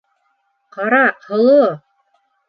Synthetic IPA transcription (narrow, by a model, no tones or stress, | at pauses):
qɑɾɑqhŏlˠo